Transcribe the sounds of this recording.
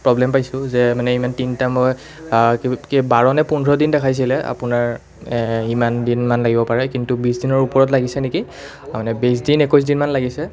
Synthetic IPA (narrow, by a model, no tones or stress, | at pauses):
pɹɔblɛmpajsʊzɛmanɛimantintamɔj | kbaɹɔnɛpunɔdindɛkʰajs̬ilɛa̰pʊnaɹ | imandinmanlaɡibɔpaɹɛkintubisdinɔɹupɔɹɔt̬laɡisɛneki | amanɛbes̬dinekɔs̬dinmanlaɡisɛ